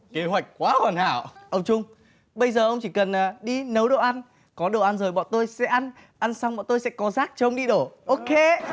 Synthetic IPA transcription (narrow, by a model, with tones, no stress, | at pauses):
ke˨˦ɦwa˨˩jk̟̚kwaː˨˦hwaː˨˩nha̰ː˧˩˨wʔə˧wŋ͡mt͡ɕʊ˧ŋ͡m | ɓə˧jzəː˨˩ʔə˧wŋ͡mt͡ɕi˧˩kə˨˩nː˨˩ɗi˧nə˨˦wɗo̰˧˨ʔa˧n | kɔ˨˦ɗo̰˧˨ʔa˧nzəː˨˩jɓɔ̰˧˨t̪o˧jsɛ̰˧˥ʔa˧n | ʔa˧nsa˧wŋ͡mɓɔ̰˧˨t̪o˧jsɛ̰˧˥kɔ˨˦zaː˦˥k̚t͡ɕɔ˧ʔə˧wŋ͡mɗi˧ɗo˧˩ʔo˧ke˧